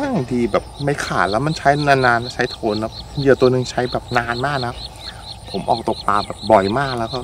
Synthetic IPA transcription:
ʔa˥˩diː˧bɛː˨˩p̚ma˥˩jkʰa̰ː˨˩t̪̚lɛː˦˥wma˧˥˩nt͡ɕʰa˦˥jnaː˧naː˧n˧˩t͡ɕʰa˦˥jt̪ʰoː˧˦nːa˦˥jiː˨˩t̪u˧ənɯ˨˩ŋt͡ɕʰa˦˥jbɛː˨˩p̚naː˧nmaː˥˩k̚na˧a˥ | pʰo˩˦mʔɔː˨˩k̚t̪o˨˩k̚paː˧bɛː˨˩p̚bɔ˨˩jmaː˥˩k̚lɛː˦˥wkɔː˥˩

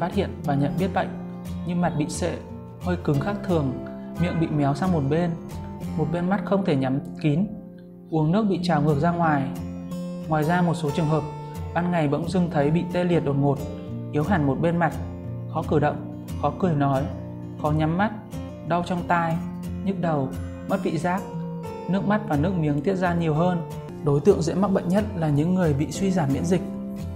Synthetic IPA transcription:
faː˦˥t̚hḭ˧˨ənvaː˨˩ɲə̰˧˨nɓi˦˥ət̚ɓa̰˧˨jŋ̟ | ɲɨ˧ma˨˩t̚ɓḭ˧˨sḛ˧˨ | həː˧jkɨ˨˦ŋxaː˦˥k̚t̪ʰɨ˨˩əŋmḭ˧˨əŋɓḭ˧˨mɛ˨˦wsa˧wŋ͡mmo˨˩t̚ɓe˧nmo˨˩t̚ɓe˧nma˦˥t̚xə˧wŋ͡mt̪ʰe˧˩ɲa˨˦mki˨˦n | ʔu˨˦əŋnɨ˦˥ək̚ɓḭ˧˨t͡ɕaː˨˩wŋɨ˨˩ək̚zaː˧ŋwaː˨˩j | ŋwaː˨˩jzaː˧mo˨˩t̚so˨˦t͡ɕɨ˨˩əŋɦəː˨˩p̚ | ɓaː˧nŋa˨˩jɓə̰˧˥wŋ͡mzɨ˧ŋt̪ʰə˨˦jɓḭ˧˨t̪e˧li˨˩ət̚ɗo˨˩n̚ŋo˨˩t̚ | ʔi˨˦əwɦaː˨˩ŋmo˨˩t̚ɓe˧nma˨˩t̚ | xɔ˨˦kɨ˧˩ɗə̰˧˨wŋ͡m | xɔ˨˦kɨ˧˩əjnɔ˨˦j | xɔ˨˦ɲa˨˦mːa˦˥t̚ | ɗə˧wt͡ɕɔ˧wŋ͡mt̪aː˧j | ɲɨ˦˥k̚ɗə˨˩w | ma˦˥t̚ɓḭ˧˨zaː˦˥k̚ | nɨ˦˥ək̚ma˦˥t̚vaː˨˩nɨ˦˥ək̚mi˨˦əŋt̪i˦˥ət̚zaː˧ɲi˨˩əwɦəː˧n | ɗo˨˦jt̪ɨ̰˧˨əŋzḛ˧˥ma˦˥ɓə̰˧˨jn̟ɲə˦˥t̚laː˨˩ɲɨ̰˧˥ŋːɨ˨˩əjɓḭ˧˨swi˧zaː˧˩mːḭ˧˥ənzï˨˩k̟̚

